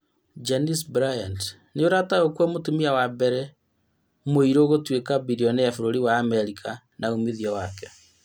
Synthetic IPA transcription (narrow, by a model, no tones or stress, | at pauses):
d͡ʒenisbɾajand | neoɾataokwɔmotomiawabɛɾɛ | moiɾoɣotwekabiɾiɔnejafoɾoɾiwaːmɛɾikʰa | naomiðiɔwakɛ̥